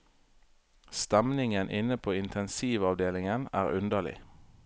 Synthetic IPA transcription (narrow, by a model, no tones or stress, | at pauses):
st̪ɛmnɪŋənʔɪnəpʰoːɪnt̪ʰɛnsiːʋɑʋd̪eːlɪŋənæ̰ːʁʉnd̪əlɪ̰